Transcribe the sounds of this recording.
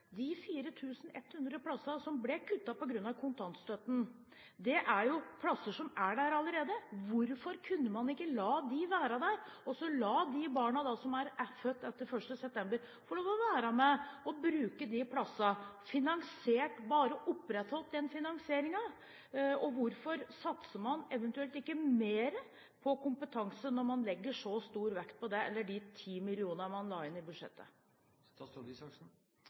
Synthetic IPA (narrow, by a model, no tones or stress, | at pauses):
d̪ɪfiːɾət̪ʰʉːsən̩ɛ̰t̪ːhʉnd̪ɾəpʰlɑsɑsɔmblɛkʰʉt̪ːɑpɔɡɾʉnːɑʋkʰʊnt̪ʰɑnt̪st̪œt̪n̩ | d̪ɛʔæɾjʊpʰlɑsːəʂɔmæɖæɾɑləɾeːd̪əʋʊɾfɔɾkʰʉnːəmɑnɪkːəlɑːd̪ɪʋæːɾɑd̪æɾɔsɔlɑːd̪ɪbɑːɳɑd̪ɑsɔmæɾfœt̪ːɛt̪ːəɾfœʂʈəsɛp̚t̪ʰɛmbəɾ | fɔɭoːʋɔʋæːɾɑmɛɔbɾʉːkəd̪ɪpʰlɑsɑfɪnɑŋseːʈbɑːɾəʔʊpːɾɛt̪hɔlt̪̚d̪ɛnfɪnɑŋsɪeːɾɪŋɑ | ɔʋʊɾfɔɾsɑt̪səmɑnɛʋənt̪ʉɛlt̪ɪkːəmeːɾə | pʰɔkʊmpət̪ʰɑŋsənːɔɾmɑnlɛɡːəʂɔst̪uːɾʋɛkt̪̚pʰɔd̪ɛɛ̰lːəɖɪt̪ʰiːmɪlɪuːnəmɑnlɑːɪnɪbʉd̪ʂɛ̰t̪ːə̰